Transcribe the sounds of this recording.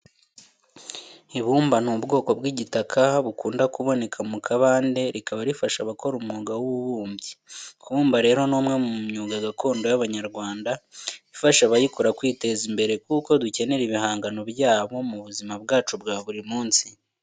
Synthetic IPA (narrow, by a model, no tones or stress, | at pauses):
iβuːmbanuːbɡo̞ːko̞bɡiːɟitakʰaβukuːndakuβo̞ne̞kʰamukʰaβaːnde̞ɾikaβaɾifaʃaβako̞ɾumŋuːɡawuβuβuːmbjikʰuβuːmbaɾe̞ːɾo̞noːmŋe̞muumɲuːɡaɡakʰo̞ːndo̞jaβaɲaɾɡwaːndaifaʃaβajikoɾakwiːte̞zimbe̞ɾe̞kuko̞duce̞ne̞ɾiβihaːŋɡano̞bjaːβo̞muβuzimab̚ɡaːt͡ʃubɡaːβuɾimuːnsi